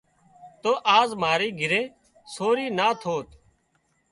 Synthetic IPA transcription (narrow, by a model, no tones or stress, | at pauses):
t̪oːʔaːzmaːɾiːɡʱɪɾeː | soːɾiːnaːt̪ʰoːt̪